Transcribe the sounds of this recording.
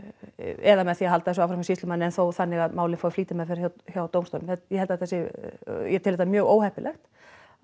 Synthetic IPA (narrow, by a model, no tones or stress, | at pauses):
ɛðamɛðθiːaɦalt̪aɛs̬ɔaːfɾakmsiːsɪmanːɪɛnθowθanːɪɣaðmaːwlɪnfawfliːt̪ɪmɛfɪɾɪ̥çjaçjawt̪owmst̪owlʏmθɛjɛhɛlt̪aðɛt̪θasɪjɛt̪ʰɪlɛt̪amjœːɣoːwhɛhpɪlʔɛ̰xt̪